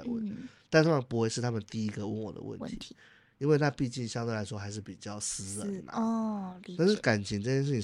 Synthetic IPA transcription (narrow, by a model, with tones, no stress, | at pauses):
wḛ˥˩t̪a˥˧t̪ʰa˥mə˧npu˧˥xwe˥˧ɪʂɻ̩˥˩t̪ʰa˥mə˨nt̪i˥˩i˦˥ɡə˨wə˥˩nwɔ̰˨˩d̪ə̰wə̰˥˩nə˧t̪ʰi˧t̪ | i˥nwe˥˧ɪna˥˧pi˥˧t͡ɕi˥˩nɕjɑ˥ŋt̪we˥˩ɪla˧˥ɪʂwɔ˥xa˧ɪʂ̬ɻ̩˥˩pi˨˩t͡ɕjɑ˥˩ʊsɹ̩˥lə˨˩mɐ̰˨˧ | a˥˧nʂɻ̩˥˩ka˨˩nt͡ɕʰi˧˥ŋʈ͡ʂɤ˥˧t͡ɕjʂɻ̩ʰ˥˩i˨˩